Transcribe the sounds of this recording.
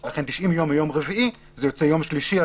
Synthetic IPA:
laχent̪iʃʔimjo̞majo̞mʁeviʔi | zejot͡sejo̞mʃliʃia

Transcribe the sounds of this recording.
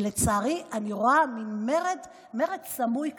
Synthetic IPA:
let͡saːʁiʔaniʁoaminmeʁed | me̞ʁedsamujk

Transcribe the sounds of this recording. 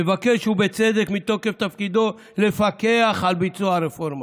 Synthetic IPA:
evakeʃubet͡sed̪ekmit̪o̞keft̪afkid̪o̞ | lefakeaχalbit͡suaɾefoɾma

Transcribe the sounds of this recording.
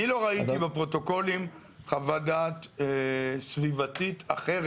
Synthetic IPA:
nilo̞ʁait̪ibepʁo̞t̪o̞ko̞lim | χavadat̪esvivat̪it̪aχeʁ

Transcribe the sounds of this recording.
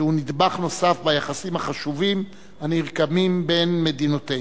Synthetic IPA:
unid̪baχno̞safbajaχasimaχaʃuvim | aniʁkamimbe̞nme̞d̪inote

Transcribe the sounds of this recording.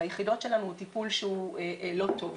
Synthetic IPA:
ajeχido̞tʃe̞lanuut̪ipulʃeueʔlo̞t̪o̞v

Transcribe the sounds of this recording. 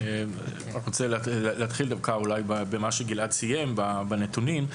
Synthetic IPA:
e | ʁot͡sellleat̪χild̪avkaulajbabemaʃeɡiladsijembabanet̪unim

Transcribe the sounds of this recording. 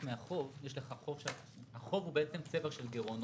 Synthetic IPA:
meaχo̞vjeʃleχaχo̞vʃe | aχo̞vubeʔet͡semt͡seveʁʃelɡeʁon

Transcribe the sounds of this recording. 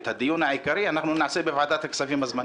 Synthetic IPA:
t̪ʰad̪ijunaʕakaɾianaxnunaʕsebivʕad̪at̪aksafimazma

